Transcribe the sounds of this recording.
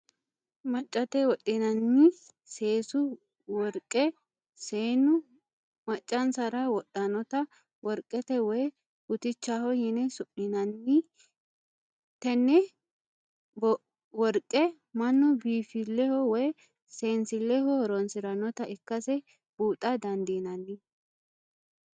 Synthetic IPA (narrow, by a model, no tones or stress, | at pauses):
mɐt͡ʃʼːɐt̪ɛwɔɗʼːɪnɐnːɪ | se̞ːsʊ | wɔɾkʼːɛ | seːnʊ | mɐt͡ʃʼːɐnsɐɾɐwɔtːɐnɔt̪ɐ | wɔɾkʼːɛt̪ɛwɔj | hʊt̪ɪt͡ʃːahɔjɪnɛsʊʔɪnɐnːɪ | t̪ɛnːɛ | wɔɾkʼːɛ | mɐnːɔbiːfɪlːɛhɔwɔj | se̞ːnsɪlːɛhɔhɔɾɔnsɪɾɐnɔt̪ɐɪkːɐsɛ | b̥uːt̪ʼːɐd̪ɐnd̪inɐnːɪ